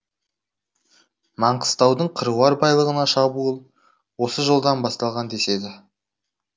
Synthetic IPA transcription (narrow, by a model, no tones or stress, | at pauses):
mɑɴqə̥st̪ɑwd̪əɴqʰəɾuwɑɾbɑjlˠəʁənɑʃɑbuəlˠ | wo̞səʒəlˠd̪ɑnbɑst̪ɑlˠʁɑnd̪e̞se̞d̪ɪ